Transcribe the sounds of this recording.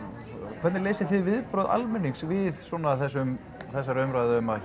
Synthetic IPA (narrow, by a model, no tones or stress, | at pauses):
kʰvɛt̪nɪleːjsɪθɪðvɪðpɾœːða̰lmɛnːiksvɪðsɔːnaθɛsːʏm | θɛsːaɾœɥmɾaːðʏʏmað